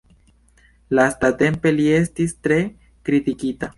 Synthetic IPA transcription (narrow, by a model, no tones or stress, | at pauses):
lastate̞mpe̞lie̞stistɾe̞ | kɾitikita